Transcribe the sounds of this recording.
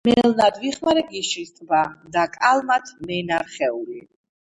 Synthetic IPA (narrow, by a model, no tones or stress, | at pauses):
mɛlnad̪viχmaɾɛɡiʃist̪ʼbad̪akʼalˠmat̪ʰmɛnaɾχɛuli